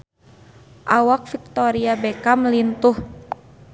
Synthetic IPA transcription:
ʔawak̚fik̚t̪oɾiabekaməlint̪uh

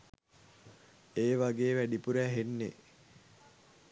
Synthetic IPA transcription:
eːʋaɡeːʋæɖipuɾæɦenːḛ

